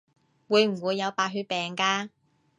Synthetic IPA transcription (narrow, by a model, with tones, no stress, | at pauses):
wuː˨˧jm̩˨˩wuː˨˧jːɐ˨˧wpaː˧t̚ɦyː˧t̚pɛː˨ŋkaː˧